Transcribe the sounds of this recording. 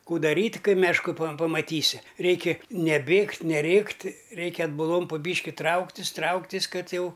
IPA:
ˈkuː dɐˈrʲiːtʲ ˈkɐɪ mʲɛʃˈkʊ pɐm pɐmɐˈtʲiːsʲɪ ˈrʲɛɪkʲɪ nʲɛˈbʲeːktʲ nʲɛˈrʲeːktʲ ˈrʲɛɪkʲɛ ɐdbʊˈlˠoːm pʊ ˈbʲiːʃʲkʲɪ ˈtrɐʊktʲɪsʲ ˈtrɐʊktʲɪsʲ ˈkɐt ˈjɛʊ

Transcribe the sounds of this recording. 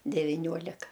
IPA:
dʲɛʋʲɪˈnʲuɔlʲɪkɐ

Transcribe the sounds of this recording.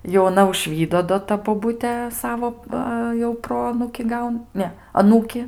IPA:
jɛʊ ɐˈnɐ ʊʒʲˈʋʲiːdoː doː ˈtɐ boːˈbʊtʲeː ˈsɑːʋoː ˈʋɐ jɛʊ ˈproːɐnuːkʲɪ ˈɡɐʊn ˈnʲɛ ɐˈnuːkʲɪ

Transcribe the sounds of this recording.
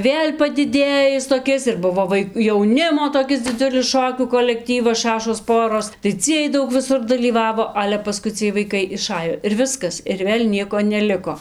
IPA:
ˈʋʲeːlʲ pɐdʲɪˈdʲeːjɪs toːˈkʲɪs ɪr ˈbʊʋoː ˈʋɐɪ jɛʊˈnʲɪmoː toːˈkʲɪs dʲɪˈd͡zʲʊlʲɪs ˈʃoːkʲuː koːlʲɛkˈtʲiːʋɐs ˈʃɑːʃoːs ˈpoːroːs tɐɪ ˈt͡sʲiɛj ˈdɐʊk ʋʲɪˈsʊr dɐlʲiːˈʋɑːʋoː ˈɑːlʲɛ pɐˈskʊɪ t͡sʲiɛj ʋɐɪˈkɐɪ ɪˈʃɑːjoː ɪr ˈʋʲɪskɐs ɪr ˈʋʲeːlʲ ˈnʲiɛkoː nʲɛˈlʲɪkoː

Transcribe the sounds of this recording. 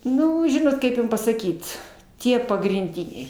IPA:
ˈnʊ ˈʒʲɪnoːt ˈkɐɪp jʊm pɐsɐˈkʲiːt ˈtʲiɛ pɐɡrʲɪnʲˈdʲɪnʲɛɪ

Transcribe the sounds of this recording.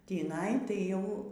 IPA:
tʲiːˈnɐɪ tɐɪ ˈjɛʊ

